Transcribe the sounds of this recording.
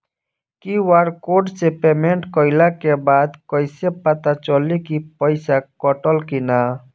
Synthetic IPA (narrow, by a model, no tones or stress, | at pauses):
kiwaɾkoɖsepemeɳʈkəɪlakebad̪kəɪsepət̪at͡ʃəlikipəɪsakɔʈəlkina